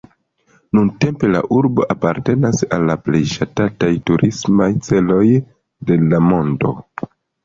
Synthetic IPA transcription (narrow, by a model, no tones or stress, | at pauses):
nunte̞mpe̞la̰ʔuɾbo̞ʔapaɾte̞nasalːaple̞jʃatatajtuɾʔismajt͡se̞lo̞j | de̞lamo̞ndo̞̰